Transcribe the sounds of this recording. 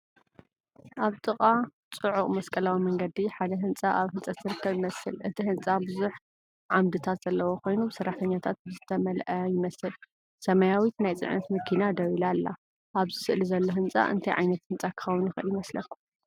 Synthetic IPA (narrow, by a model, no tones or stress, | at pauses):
ʔaβt̪ʼɨkʼat͡sʼɨʕuχʼmɐskʼɐlawimɐŋɡɐd̪iħad̪ɐɦɨnt͡sʼaʔaβhɨnt͡sʼat̪ɨɾɨkʰːɐβjɪmɐsɨlʔɨt̪ʰihɨnt͡sʼabɨzuħ | ʕamd̪ɨt̪ʰat̪z̥ɐlːɐwokʰo̞jnubɨsɨrːaħt̪ʰɐɲːat̪ʰat̪̚bɨzɨt̪ʰɐmɐlʔɐjɪmɐsɨl | sɐmajawit̪najt͡sʼɨ̰ʕnɐt̪mɨkʰinad̪ɐwilalːa̰ | ʔaβzɨsɨʔlizɐlːo̞ɦɨnt͡sʼa̰ʔɨ̰nt̪ʰɐjʕa̰jnɐt̪hɨnt͡sʼakʰɨ̥xɐwʊnjɪxɨʔɨljɪmɐslɐkʰːu̥